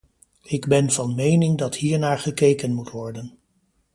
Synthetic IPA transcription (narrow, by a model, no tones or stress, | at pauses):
ɪɡbɛnvɑnmejnɪŋdɑthiːɹnaːɹχəkejkənmutʋɔɹdən